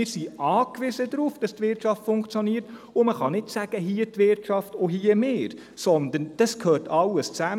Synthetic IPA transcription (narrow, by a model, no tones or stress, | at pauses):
ɪːɾsiɑːkʋɪzədɾuːfd̥ɑstʋɪrtʃɑftfʊŋkt͡sjɔniːɾtʊməχɑnɪtsæɡ̥əɦiːətʋɪrtʃɑftoɦiːəmeːɾ | sɔnd̪ənd̥ɑskʰhøːrtʰɑlːəst͡sæ